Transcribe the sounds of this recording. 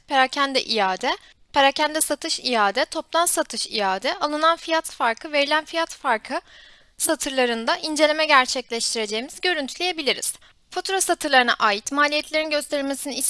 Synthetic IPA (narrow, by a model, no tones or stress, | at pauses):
pʰeɾacʰænd̪ɛ̰ʔijaːd̪ɛ | pʰeɾacʰænd̪ɛsat̪ʰɯʃijaːd̪ɛt̪ʰo̞plˠansat̪ʰɯʃijaːd̪ɛalˠɯnanfijat̪faɾkʰɯve̞ɾilʲænfijat̪faɾkʰɯ | sat̪ʰɯɾlˠaɾɯnd̪aʔind͡ʒe̞lʲemɛɟæɾt͡ʃʰɛclʲɛʃt̪ʰiɾe̞d͡ʒe̞jːmizɟø̞ɾynt̪ʰylʲeje̞bilʲiɾḭz̥ | fot̪ʰɾosat̪ʰɯɾlˠaɾɯna̰ʔaːjit̪maːlʲijɛt̪ʰlʲeɾinɟø̞st̪ʰe̞ɾilʲme̞siniis